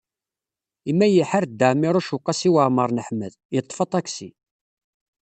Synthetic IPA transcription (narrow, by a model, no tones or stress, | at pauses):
imːæjəħaɾd̪ːəʕmiɾˤuʃuqːɑsiwəʕməɾˤnəħməð | jət̪ˤːfɑt̪ˤæksi